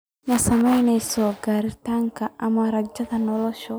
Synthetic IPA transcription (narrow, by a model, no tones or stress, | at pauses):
nɐsɐmɐjnɛjsɔːɡaːɾɪt̪aːŋkʰɐʔɐmɐɾɐd͡ʒɐðɐnɔlɔʃɔ